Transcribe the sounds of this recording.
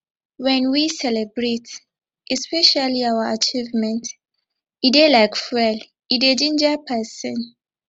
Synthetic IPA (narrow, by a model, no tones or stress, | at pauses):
wɛ̃nwisɛlɛbɹet | ʔɛspɛʃaliawaat͡ʃivmɛ̃nt | idelaɪkfɛl | idedĩnd͡ʒapʰɛsə̃n